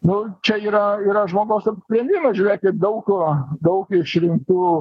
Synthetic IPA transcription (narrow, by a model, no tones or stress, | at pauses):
nʊt͡ʃʲɛiːɾɐiːɾɐʒmoːɡɐʊsɐpsʲpʲɾʲɛnʲd̪ʲɪmɐʒʲuːɾʲeːkʲɪd̪ɐʊkʲʊd̪ɐʊkɪʃɾʲɪŋk̚t̪uː